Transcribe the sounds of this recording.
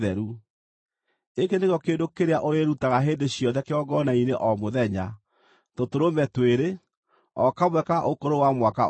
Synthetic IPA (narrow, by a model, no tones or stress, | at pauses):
ðɛɾu | ekeneɣjɔkeːndokeɾeaʔoɾeɾutaɣaɦeːndeɕjɔðɛkeɔɡɔnaineʔɔmoðɛɲa | totoɾomɛtweɾe | ɔkamwɛkaʔokoɾowamwaka̰